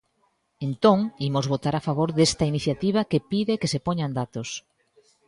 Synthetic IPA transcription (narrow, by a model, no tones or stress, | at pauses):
ent̪õŋimozβot̪aɾafaβ̞oɾðest̪ɐiniθjat̪iβ̞ɐkepiðɪkesepoɲand̪at̪os